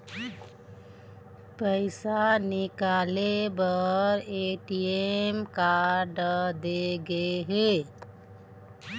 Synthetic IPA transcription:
pəɪsanɪkaːlebəɾeʈiemkaɾɖd̪eɡəɦe

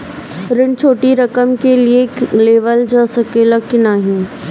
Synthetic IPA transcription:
ɾɪɳt͡ʃʰoːʈiɾɐkəmkelieleːʋəld͡ʒaːsəkelɐkɪnaɦĩː

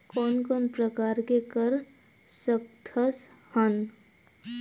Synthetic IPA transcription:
kɔːnkɔːnpɾəkaːɾkekəɾ | sək̚t̪ʰəs | hən

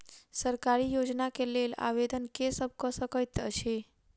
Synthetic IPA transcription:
səɾkaɾijod͡ʒnakelela̰ʋed̪ənkesəb̚kəsəkəjt̪ə̰ʃe

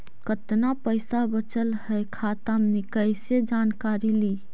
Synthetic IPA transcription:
kət̪napəjsabət͡ʃəlhəjkʰat̪amnikəjsed͡ʒankaɾili

